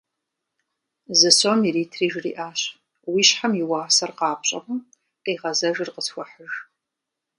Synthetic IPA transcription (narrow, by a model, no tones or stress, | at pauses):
zɨsoːmiriːtʰriːʒrḭːʔaːɕ | wiːɕħamjɪwaːsɐrqɑːpɕʼɐ̰ʁʷʊm | qiːʁɐzɐʒrqəsxʷɔħəʒ